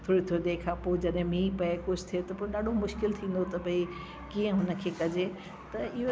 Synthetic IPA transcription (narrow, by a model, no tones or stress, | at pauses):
t̪ʰoːɾit̪ʰiod̪eːkʰapod͡ʑɐɗɦɪ̃mĩːpɐekʊd͡ʑʱt̪ʰijet̪ɐpõːɗaːɖʱomʊʃkɪlt̪ʰĩːn̆d̪ot̪ɐbʱɐi | kiːə̃ɦʊnə̆kʰeːkɐd͡ʑe | t̪ɐɪɦo